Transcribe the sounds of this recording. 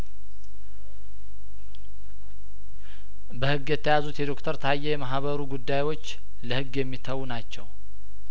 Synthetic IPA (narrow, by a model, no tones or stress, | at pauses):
bəhɨɡːjɛt̪ʰːəjazut̪jɛd̪o̞kt̪ʰəɾt̪ʰajːɛjɛmaɦβəɾuɡud̪ːajwo̞t͡ʃː | ləhɨɡːjɛmːit̪ʰəwnat͡ʃːɛw